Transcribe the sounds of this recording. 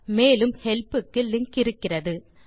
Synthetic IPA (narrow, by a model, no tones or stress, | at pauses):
meːlɯmhɛlpɯkːɯlɪŋkɪɾɯkːɪrɐðɯ